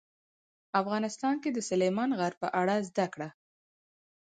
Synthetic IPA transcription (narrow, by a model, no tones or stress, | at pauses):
afɣɑnɪst̪ɑnked̪əsʊlemɑnɣaɾ̚pəʔaɽazd̪akɽa